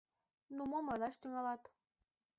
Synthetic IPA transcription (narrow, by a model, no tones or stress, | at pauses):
numomɤlɑʃt̪yŋɑlɑt̪